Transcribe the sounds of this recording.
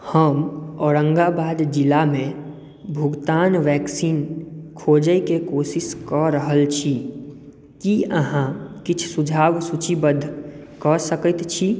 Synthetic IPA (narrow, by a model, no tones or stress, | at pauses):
həmɔːɾə̃ŋɡabaːd̪d͡ʒɪlamẽ | bʱʊɡt̪aːnʋɛːksiːnkʰoːd͡ʒəjkekoːsɪskəɾəɦəlt͡ʃʰi | kiəɦãkɪt͡ʃʰsʊd͡ʒʱaːʋsut͡ʃibəd̪ʱkəsəkət̪t͡ʃʰi